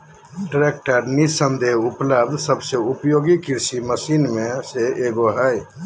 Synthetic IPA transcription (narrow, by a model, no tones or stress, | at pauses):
ʈɾek̚ʈəɾnisə̃nd̪eɦupləbd̪səbseupjoːɡikiɾsiməsiːnmẽseeɡoɦəj